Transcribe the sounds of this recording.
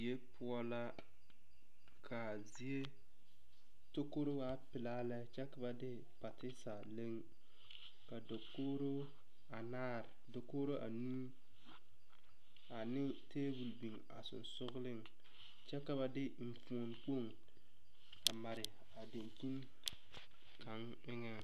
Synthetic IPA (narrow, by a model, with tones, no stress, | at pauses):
e˦pʰʊ˦ɔ˦la˦ | kʰa˨zi˦e˦ | to˦ko˦ɾo˦wa˦pɪ˨laː˦lɛ˦t͡ʃɛ˦ka˨ba˦dɪ˦ | pa˨tɪ˦sa˨le˦ŋ | ka˨do˨koː˦ɾo˦ | a˨naː˦˨ɾɪ˨do˨koː˦ɾo˦ʔa̰˨nu˦ | a˨nɪ˦ | teː˦wu˨lbi˨ŋ | a̰˨sʊ̰˨nsʊ˦ɣlɪ˦ŋ | t͡ʃɛ˦ka˨ba˦dɪ˦m̩˨fo˨nk͡po˦˨ŋ | a˨ma˨ɾɪ˨ | a˨de˨ŋki˦n | kʰa˨˦ŋ | ɪ˦ŋɛ˦